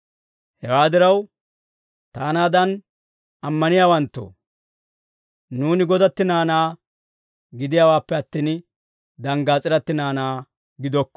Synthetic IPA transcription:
hɛwaːd̪ɪɾɐw | t̪aːnaːd̪ɐn | ɐmːɐnɪjaːwɐnt̪ːo̰ː | nuːnɪɡɔd̪ɐt̪ːɪnaːnaː | ɡɪd̪ɪjaːwaːpːɛɐt̪ːiːn | d̪ɐŋɡaːt͡sʼɪɾɐt̪ːɪnaːnaː | ɡɪd̪ɔkːɔ̥

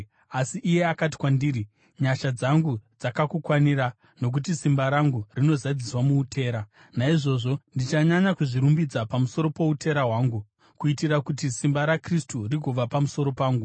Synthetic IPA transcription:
asiʔːje̞akati̥kwandiːri | ɲaʃad͡zaŋɡud͡zakakukwaniɾa | no̞k̬ut̬isimbaɾaŋɡurino̞zad͡ziswamuːtʰe̞ːɾa | naiʐo̞ʐo̞ndit͡ʃaɲaɲakuʐiɾumbid͡zapamuso̞ɾo̞po̞ute̞ɾaɦwaːŋɡu | kuitirakutisimbaɾakristuriɡʱoʋapamuso̞ɾo̞paːŋɡu

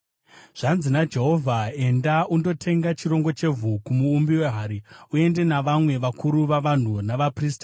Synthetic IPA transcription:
ʐ̥anzinad͡ʒe̞ɦo̞vʱae̞ndaundo̞tʰe̞ŋɡat͡ʃiɾo̞ŋɡot͡ʃe̞vʱukumuːmbiwe̞ɦaːɾiue̞nde̞naʋamwe̞ʋakuɾuʋaʋan̤unaʋapriːsta

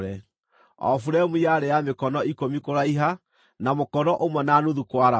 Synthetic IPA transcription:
ɾɛ | ɔ̰fuɾɛmujaɾeamekɔnɔikomikoɾaiɦa | namokɔɾɔʔomwɛnanuðukwaɾa

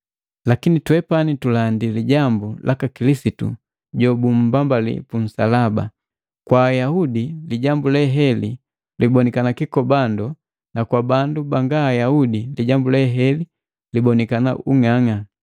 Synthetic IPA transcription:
lakinitwɛpanitulandiliɟambulʔakakilisitṵ | ɟɔbum̩bambalḭpun̩sa̰laba̰ | kwaːjaudiliɟambulɛɦɛli | libɔnikanakikɔbandɔ | nakwabandubaŋɡaːjaudiliɟambulɛɦɛli | libɔnikana̰ʔuŋaŋa

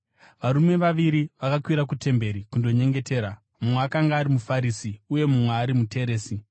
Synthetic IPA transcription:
ʋaɾume̞ʋaʋiɾiʋakakwiɾak̬ute̞mbe̞ɾikundo̞ɲe̞ŋɡe̞te̞ːɾa | mumweakaŋɡaːɾimufaɾisiuje̞mumweaɾimute̞ɾe̞ːsi

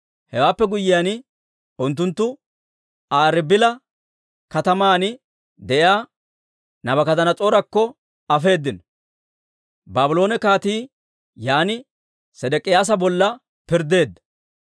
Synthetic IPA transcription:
hɛwaːpːɛɡʊjːɪjanɪ | ʊnt̪ːʊnt̪ːʊ | aːɾɪbɪlɐ | kɐt̪ɐmaːnɪ | d̪ɛjaː | nɐbɐkɐt̪ɐnɐt͡sʼoːɾɐkːɔ | ɐfe̞ːd̪ːɪnɔ | baːbɪlo̞ːnɛkaːt̪iː | jaːnɪ | sɛd̪ɛkʼɪjaːs̬ɐbɔlːɐ | pɪɾd̪e̞ːd̪ːɐ̥

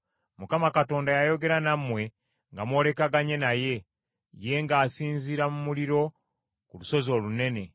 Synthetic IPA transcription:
mukamakato̞ːndajajo̞ɡe̞ɾanamwe̞ | ŋɡamwo̞le̞kaɡaɲe̞naje̞ | je̞ŋɡaːsiːnziɾamumuliɾo̞ | kuluso̞zo̞ːlune̞ne̞

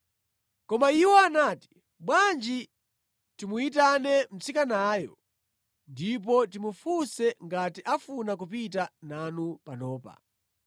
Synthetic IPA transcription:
kɔmaiwɔanaːti̥ | ɓwand͡ʒi | timuit̬anɛm̩t͡sikanaːjɔ | ndip̬ɔtimufusɛŋɡatiʔafunakup̬it̬ananupanɔːpa̰

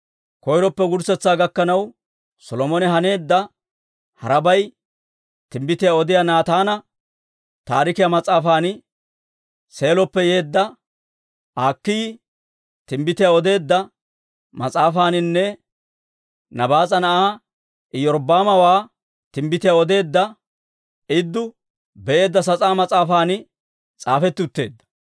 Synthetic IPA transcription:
kɔjɾɔpːɛɡʊɾsɛt͡sːaːɡɐkːɐnɐw | sɔlɔmɔnɛɦɐne̞ːd̪ːɐ | hɐɾɐbɐj | t̪ɪmbɪt̪ɪjaɔd̪ɪjanaːt̪aːnɐ | t̪aːɾɪkɪjamɐt͡sʼaːfaːnɪ | se̞ːlɔpːɛje̞ːd̪ːɐ | ʔaːkːɪj | t̪ɪmbɪt̪ɪjaɔd̪e̞ːd̪ːɐ | mɐt͡sʼaːfaːnɪnːɛ | nɐbaːt͡sʼɐnɐʔaː | ʔɪjɔɾbaːmɐwaː | t̪ɪmbɪt̪ɪjaɔd̪e̞ːd̪ːɐ | ɪd̪ːʊ | bɛʔe̞ːd̪ːɐs̬ɐt͡sʼaːmɐt͡sʼaːfaːnɪ | t͡sʼaːfɛt̪ːʊt̪ːe̞̰ːd̪ːɐ̥

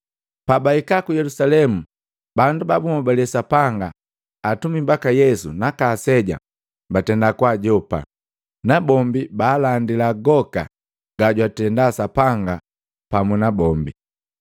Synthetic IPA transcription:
pabaikakujɛlusalɛmu | bandubabumabalɛsapaŋɡaː | tumimbakajɛsṵnakasɛɟa̰ | batɛndakwaɟɔpa̰ | nabɔmbibaːlandilaɡɔka̰ | ɡ̥aɟwatɛndasapaŋɡa | pamunabɔmbi

